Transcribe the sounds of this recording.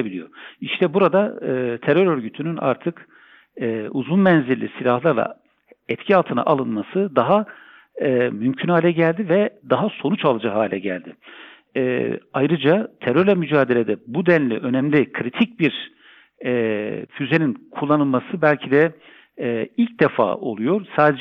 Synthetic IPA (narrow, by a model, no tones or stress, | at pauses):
bilʲijo̞̰iʃt̪ʰɛbuɾad̪aɯt̪ʰeɾø̞ɾø̞ɾɟyt̪ʰynyna̰ɾt̪ʰɯkː | uzunmɛnziɾlʲḭsilʲahlˠaɾlˠa̰ | ɛt̪cʰialˠt̪ʰɯna̰ʔalˠɯnmasɯd̪aɦa | mymcʰynhaːlʲɛɟælʲd̪ivɛd̪aɦaso̞nut͡ʃalˠɯd͡ʒahaːlʲɛɟæ̰lʲd̪ɪ | ɛːajɾɯd͡ʒat̪ʰeɾøɾlʲɛmyd͡ʒaːd̪e̞lʲed̪ɛbud̪ɛnlʲiʔø̞nɛmlʲikʰɾit̪ʰic̚biɾ | ɛfyze̞ninkʰulˠːanɯlˠmasɯbælʲcʰid̪ɛ | ilʲc̚d̪ɛfa̰ːo̞̰lˠujo̞ɾsaːd̪ed͡ʒ